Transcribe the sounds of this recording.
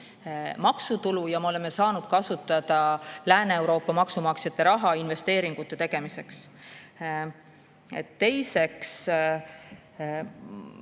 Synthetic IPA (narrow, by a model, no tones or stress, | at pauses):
mɑksut̪ulujɑmeo̞le̞mːe̞sɑːnud̪̥̚kɑsut̪ːˑɑd̪̥ɑlæːneewɾo̞ːpːˑɑmɑksumɑksjɑt̪ˑːe̞ɾɑɦɑinve̞st̪e̞ːɾiŋɡ̥ut̪ːˑe̞t̪e̞ɡ̥e̞mise̞ks | ḛt̪ːe̞jse̞ks